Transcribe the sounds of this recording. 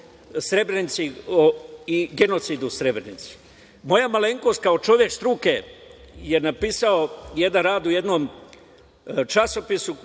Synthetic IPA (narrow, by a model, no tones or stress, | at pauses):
sɾe̞bɾenit̪sioiɡe̞no̞t̪sid̪usɾe̞bɾenḭt̪si̥ | mo̞jamaleŋkost̪̚kaot͡ʃo̞ʋjekst̪ɾuke̞ | je̞napiːsaoje̞d̪anɾaːd̪uje̞d̪nom | t͡ʃaso̞pisu